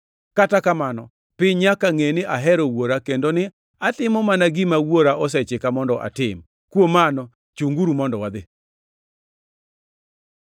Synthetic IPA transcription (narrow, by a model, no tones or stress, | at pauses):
katakamanɔ̰ | pɪɲakaŋenɪʔaɦɛɾɔwoɾakendonɪ | atɪmɔmanaɡɪmawoɾaʔɔs̬ɛt͡ʃɪkamɔndɔʔa̰tɪm | kwomanɔ | t͡ʃuŋɡuɾumɔndɔwad̪ɪ